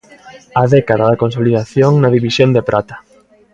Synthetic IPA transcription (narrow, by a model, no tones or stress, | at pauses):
aðɛkaðaðakonsoliðaθjoŋnaðiβisjond̪epɾʔat̪ḁ